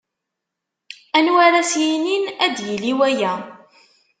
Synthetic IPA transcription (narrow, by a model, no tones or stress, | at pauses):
ænwaɾæsjininæd̪jəliwæjæ